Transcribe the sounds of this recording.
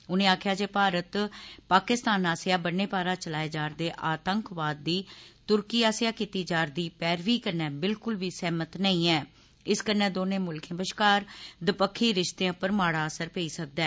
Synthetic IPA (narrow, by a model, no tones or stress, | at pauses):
ʊnẽːaːkʰjaːd͡ʒeːpaːɾət̪paːkɪst̪aːnaːsjaːbənːeːpaːɾaːt͡ʃəlaːeːd͡ʒaːɾd̪eːʔaːt̪əŋkʋaːd̪̚ːiːt̪ʊɾkiːaːsɪjaːkiːt̪iːd͡ʒaːɾd̪iːpɛːɾʋiːkəɾnɛːbɪlkʊlʋiːsɛːmət̪nəĩːɛː | ɪskənɛ̃ːd̪oːnẽːmʊlkʰẽbəʃkaːɾd̪əpəkʰːiːɾɪʃt̪eãːpəɾmaːɽaːəsəɾpeːiːsək̚d̪ɛː